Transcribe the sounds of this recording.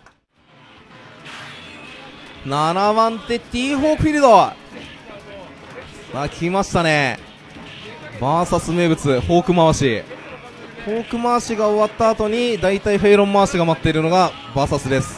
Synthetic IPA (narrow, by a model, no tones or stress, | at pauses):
nanaβãnt̪e̞t̪ʲiːɦo̞ːkʲiɾɯd̪o | akʲʰimaɕi̥t̪ane̞ | baːsasɨme̞ːbɯ̟t͡sɨho̞ːkɯ̟maβaɕi | ho̞ːkɯ̟maβɕiɡao̞βat̪ːaːt̪o̞ɲ̟id̪ait̪aiɸe̞ːɾõ̞mːaːɕiɡamat̪ːe̞iɾɯ̟no̞ɡa | baːsasɨd̪e̞sɨ̥